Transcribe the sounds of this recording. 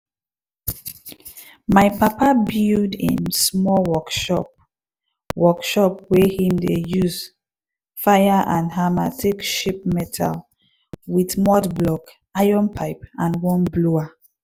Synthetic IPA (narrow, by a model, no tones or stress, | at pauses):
majpapabildḭ̃nsmɔlwɔkʃɔ̰p | wɔkʃɔp̚wehĩmdejuz | fajaʔãndɦama̰tʰikʃip̚mɛtʰa̰l | wiðmɔtblɔk | ajɔ̃npʰaɪpãnwɔ̃nblua